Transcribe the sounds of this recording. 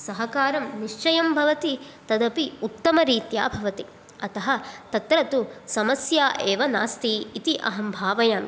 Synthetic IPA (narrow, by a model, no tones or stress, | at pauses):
sɐɦɐkaːɾɐmniʂt͡ʃɐjɐmbʱɐʋɐt̪i | t̪ɐd̪ɐpiut̪ːɐmɐɾiːt̪ja̰ːbʱɐʋɐt̪i | ɐt̪ɐɦɐt̪ɐt̪ɾɐt̪usɐmɐsjaːʔeːʋɐna̰ːst̪iːt̪iʔɐ̰ɦɐmbʱaːʋɐjaːm